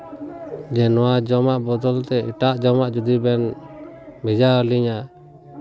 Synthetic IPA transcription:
d͡ʒɛnɔwad͡ʒɔmaʔbɔd̪ɔlt̪ɛiʈaʔd͡ʒɔmaʔd͡ʒud̪ibɛn | mid͡ʒaəliɲaʔ

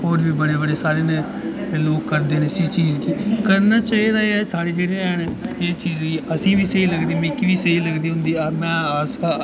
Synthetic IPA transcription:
ɦoːɾbiːbəɽeːbəɽeːsaːɾeːnẽː | loːkːəɾd̪eːnẽːsiːt͡ʃiːzɡiːkəɾnaːt͡ʃaːiːd̪aːeːsaːɽeːd͡ʒeːɽeːɛːnːeːt͡ʃiːzɡiːʔəsĩːʋiːseiːləɡd̪iːmẽːkiʋiːseiːləɡd̪iːɦʊ̃nd̪iːamɛ̃ːasaː

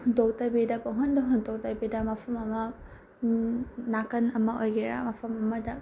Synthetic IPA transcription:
hundok̚tɐbidɐpɐɦondɐɦundok̚tɐbidɐmɐpʰɐmɐmɐ | nakɐnɐmɐʔojɡeɾa̰mɐpʰɐmɐmɐdɐ

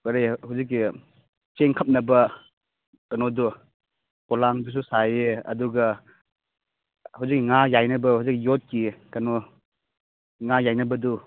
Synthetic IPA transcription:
kɐɾehawzik̬ːi | t͡ʃeŋkʰɐp̚nɐbɐ | kɐnodu | kɔlaŋdus̬usajeɐ̰duɡɐ | hawzik̚ːiŋajajnɐbɐhawzik̬ːijot̚kikɐno | ŋajajnɐbɐdu

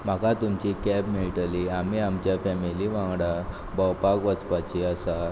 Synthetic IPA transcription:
m̤akat̪umt͡ɕikɛbmiɭʈaliam̤iamt͡ɕjafɛmiliʋãŋɡɽa | bawpakʋət͡spat͡ɕiasa

